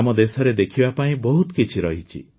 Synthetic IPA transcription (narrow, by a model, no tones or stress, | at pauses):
amɔd̪esɔɾed̪ekʰibapaĩbɔɦut̪ɔkit͡ʃʰiɾɔɦit͡ʃʰḭ